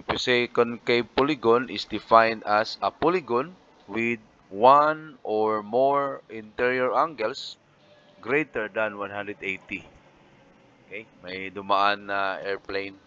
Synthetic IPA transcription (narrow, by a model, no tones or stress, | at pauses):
pʊsekonkejpolɪɡonʔɪsd̪ɪfajnd̪asɐpolɪɡon | wɪd̪̚ | wanʔoɹmoɹɪ̃nt̪ɛɹiɔɹʔaŋɡɛls | ɡɾejt̪ɛɹd̪ɐnwanɦand̪ɾɛd̪ejt̪i | okejmɐjd̪ʊmaʔanːɐʔɛɹplejn